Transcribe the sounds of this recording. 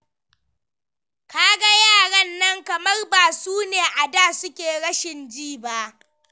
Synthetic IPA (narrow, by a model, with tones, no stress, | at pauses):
kaː˦ɡa˦jaː˦˨ɽɐ˦nːɐ˦ŋkɐ˨mɐ˦rbaː˨suː˦neː˨ʔa˨daː˦˨sʊ˦kʲeː˨ɽɐ˦ʃɪ˨nd͡ʒiː˦˨ba˦ʔ